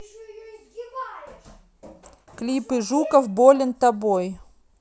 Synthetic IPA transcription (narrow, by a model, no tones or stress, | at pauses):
klʲipɨʐukəfbolʲɪnt̪ɐboj